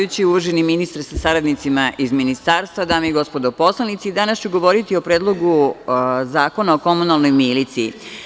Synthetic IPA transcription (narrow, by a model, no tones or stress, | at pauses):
ut͡ɕiuʋrʒeniminist̪ɾsasaɾad̪nit̪simaʔizminist̪aːɾst̪ʋad̪aːmeiɡo̞spo̞d̪opo̞slˠanit̪sid̪anast͡ɕuɡo̞ʋo̞ɾit̪io̞pɾed̪lˠo̞ɡu | zaːko̞nao̞ko̞munalˠno̞jmilit̪siː